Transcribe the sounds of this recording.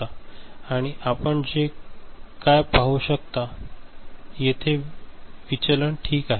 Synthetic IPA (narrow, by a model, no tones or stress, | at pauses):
aaɽ̃iʔapəɳd͡ʑe | kajpaɦuɕək̚t̪a | jet̪ʰeʋit͡ɕələɳʈʰiːkaɦe